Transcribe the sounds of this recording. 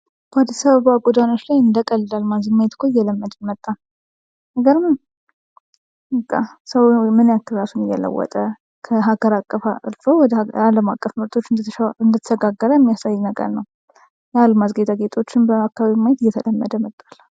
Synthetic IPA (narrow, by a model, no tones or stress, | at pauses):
b̥əad̪ːəsaβəβaɡod̪ano̞t͡ʃlajɨnd̪əkʼəllalmazɨmːajt̪kʰojːɛləmːəd̪ɨnmət̪ʼːan | nəɡəɾmɨn | ɨkʼːa̰səwmɨnjakːɨlɾasunɨjɛ̰lə̰wːɔ̰t̪ʼə | kʰəɦaɡ̥əɾakʼːəfaɨ̰lfowwɔd̪əaləmakʼːəfmɨɾt̪ʰo̞t͡ʃːɨnd̪əɨnd̪ət̪ʰə̥səɡaɡːəɾəjɛmːijasajːnəɡə̰ɾnəw | jalmazɡet̪ʰaɡet̪ʼʰo̞t͡ʃːɪnbəakːaβaβimajɛt̪ɪjːɛt̪ʰələmːəd̪əmət̪ʼːalː